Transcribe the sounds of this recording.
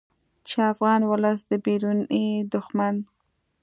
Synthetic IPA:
t͡ʃeafɣɑnwʊləsd̪əbeɾuned̪ʊxman

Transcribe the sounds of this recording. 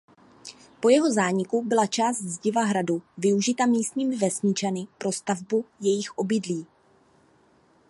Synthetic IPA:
po̞jɛɦo̞zaːɲɪkubɪlat͡ʃaːst̪zɟɪvaɦɾaduvɪuʒɪt̪amiːst̪ɲiːmɪvɛsɲɪt͡ʃanɪpɾo̞st̪avbujɛjɪxʔo̞bɪdliː

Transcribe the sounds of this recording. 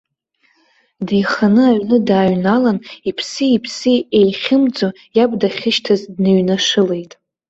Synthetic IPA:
dijχanɨaɥnɨdaːɥnalanipʰsɨipʰsɨejχʲɪmd͡zo | jabdaχʲɪʃtʰazdnɨɥnaʂɨle̞jtʼ

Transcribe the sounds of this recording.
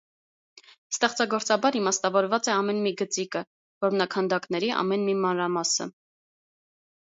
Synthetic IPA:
st̪ɛχt͡sɑɡɔɾt͡sɑbɑɾimɑst̪ɑvɔɾvɑt͡sɛɑmɛnmiɡət͡sikə | vɔɾmnɑkʰɑnd̪ɑknɛɾiʔɑ̰mɛnmimɑnɾɑmɑsə̰

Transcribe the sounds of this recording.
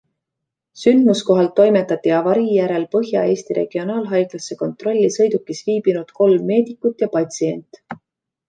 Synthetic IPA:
synd̪̥musko̞ɦɑlt̪ːo̞jmet̪ːˑɑt̪ːiɑvɑɾijæɾe̞lpɤɦjɑ̰e̞ːsʲt̪iɾʔe̞̰ɡ̥io̞nɑːlɦɑjɡ̥lɑsːe̞ko̞nt̪ro̞lʲːisɤ̞jd̪̥ukːisviːbinud̪̥ko̞lmːe̞ːd̪ikːut̪jɑpɑt̪ʲsie̞nt̪ˑ

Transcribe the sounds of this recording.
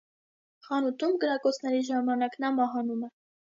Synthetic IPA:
χɑnut̪umɡəɾɑkɔt͡sʰnɛɾiʒɑmɑnɑkn̪ɑmɑɦɑnumɛ

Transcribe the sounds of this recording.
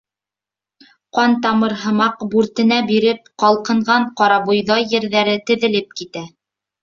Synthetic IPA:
qɑnt̪ɑmɤɾɦɤ̆mɑqbʉɾt̪ɘ̆næbiɾɘp̚qɑlˠqɤ̆ɴʁɑɴqɑɾɑβŭjðɑjːɘ̆ɾðæɾɘt̪ɘ̆ðɘ̆lɘp̚kit̪æ

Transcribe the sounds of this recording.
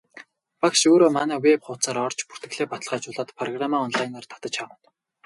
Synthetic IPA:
pakʃoːɾoːmanæːwepχʊːt͡saːɾɔrt͡ɕpu̥rt̪ɘ̆ɣɮeːpat̪ə̆ɮʁaːt͡ɕʊːɮaːt̪pʰrɔɣramaːɔnɮajnart̪ʰḁt̪ə̆t͡ɕʰawə̆n

